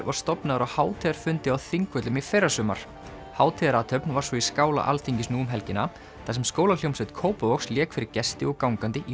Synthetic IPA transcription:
vaɾ̥st̪ɔpnaðʏɾawhaːwt̪ʰɛðaɾ̥fʏnt̪ɪawθiŋkvœt̪lʏmifejɾasʏːma̰ɾ̥ | haːwt̪ʰɛðaɾaːt̪ʰœpnvḁsvɔiskaːwla̰ʔa̰lθiɲcɪsnuːʏmɦɛlcɪna | θasɛmskoːwlakl̥owmsɛt̪kʰoːwpʏoksljɛːkfɪɾɪɾ̥cɛst̪ɪɔɣkawŋkant̪ɪʔi

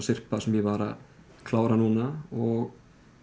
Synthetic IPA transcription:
sɪr̥pasɛmjɛvaːɾa̰ | kʰlaːwɾanuːnaɔɣ

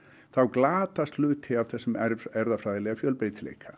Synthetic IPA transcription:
θawklaːt̪ast̪lʏːt̪hɪav̥θɛsːʏmɛɛɾðafɾajðɪlɛɣafjœːlpeːjt̪lḛːjkʰa

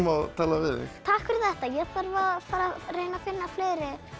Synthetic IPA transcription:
maðt̪ʰaːlavɪðɛ̰xt̪ʰaːhkvɪɾθɛht̪ajɛɣθaɾvafaːɾareːjnafɪnːafleːjɾɪ

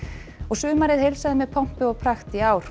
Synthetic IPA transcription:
ɔɣsʏːmaɾɪðhejlsaðɪmɛðpʰɔm̥pʏɔɣpʰɾaxt̪iaːwɾ̥

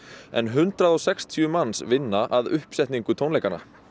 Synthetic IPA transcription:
ɛ̰nɦʏnt̪ɾaðɔwsɛkst̪ʰijʏmansvɪnːaʔaðʏhpsɛht̪niŋkʏt̪ʰownejkanːa̰

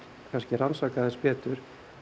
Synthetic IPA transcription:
kʰanscɪransaːkaðɛnspɛːt̪ʏɾ̥

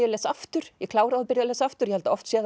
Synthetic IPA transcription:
jalɛsaft̪ʏɾ̥jɛkʰlaːwɾaðapɪɾjalɛsaft̪ʏɾjɛhɛlt̪aɔft̪sjɛð

